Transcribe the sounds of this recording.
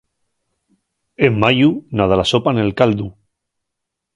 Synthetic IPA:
emːajunað̞alasopanelkald̪u

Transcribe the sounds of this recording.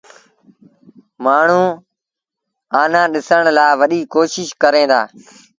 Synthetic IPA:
maːɳ̤ũː | aːnãːɗɪsəɳ̃laːʋəɗiːkoːʃɪʃkəɾẽːd̪a̰ː

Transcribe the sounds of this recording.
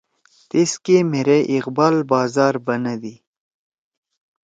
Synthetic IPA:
t̪eskemeɾeʔɪqbɑːlbɑːzɑːɾbɐnad̪i

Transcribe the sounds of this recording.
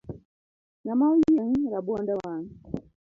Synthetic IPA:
namawiijaŋ̩ɾabwandawan

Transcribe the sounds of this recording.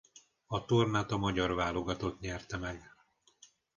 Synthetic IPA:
ɒt̪ornaːt̪ɒmɒɟɒrvaːlo̞ɡɒt̪ot̪ɲɛrt̪ɛmɛɡ

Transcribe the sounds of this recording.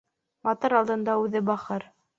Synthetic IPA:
mɑt̪oɾɑlˠd̪ɤ̆nd̪ɑʉðɘbɑχɤɾ

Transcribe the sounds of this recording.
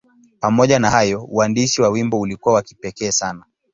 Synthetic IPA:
pamɔʄanahajɔuwandiʃiwawimbɔulikuwawaki̥pɛkɛːsana

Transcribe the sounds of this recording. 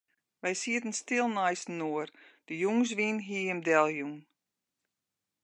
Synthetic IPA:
ʋɛjsiətən̩stɪlˠnajsnuərd̥əjuŋs̬ʋinɦiəmdɛlˠjuŋ

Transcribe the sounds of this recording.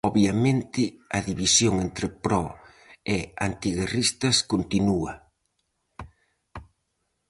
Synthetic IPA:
ɔβjɐmẽnt̪ɪɐðiβisjoŋent̪ɾɪpɾɔ | ea̰nt̪iɣerist̪ɐskont̪inuɐ

